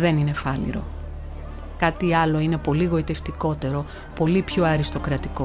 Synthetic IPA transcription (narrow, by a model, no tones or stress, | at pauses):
ðe̞nine̞fɐlḭɾo̞̰ | kɐt̪iɐlo̞ine̞po̞liɣo̞it̪eft̪iko̞t̪e̞ɾo̞ | po̞lipço̞ɐɾist̪o̞kɾɐt̪iko̞